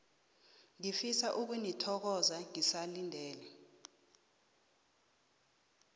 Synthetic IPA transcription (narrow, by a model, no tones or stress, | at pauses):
ŋifisaʔuk̬unitʰɔk̬ɔzaŋisalindʱɛːlɛ